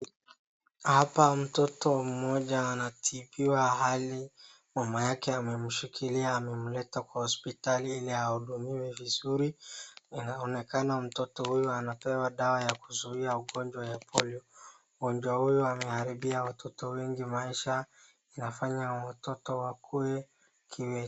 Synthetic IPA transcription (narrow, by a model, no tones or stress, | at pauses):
hapam̩tɔtɔm̩mɔʄaːnatʰiɓiwaɦali | mamajakɛamɛm̩ʃikʰiliaːmɛm̩lɛtakwahɔspitaliilihauɗumiwɛvizuɾiinaɔnɛkanam̩tɔtɔhujuanapɛwaɗawajakuzuiauɠɔnd͡ʒwajapʰɔliɔ | ɡɔnd͡ʒwahujuamɛhaɾiɓiawatʰɔtɔwɛŋɡimaiʃa | inafaɲawatɔtɔwakʰuɛ | kʰiwɛ